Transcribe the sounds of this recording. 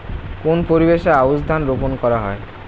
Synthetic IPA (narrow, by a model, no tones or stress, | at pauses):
konpoɾibeʃaabosd̪ʱanɾoponkɔɾaɦɔ̰e